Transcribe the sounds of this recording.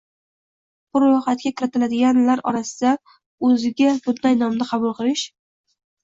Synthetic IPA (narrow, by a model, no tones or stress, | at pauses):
bʊɾːojχat̪̚kʲakʲɪɾɪt̪ɪlad̪ɪɡʲanlaɾɒ̰ɾasɪd̪a | ɵzɪɡʲabʊd̪najnɒmɪqʰɑbʊlˠqɨlˠɪʃ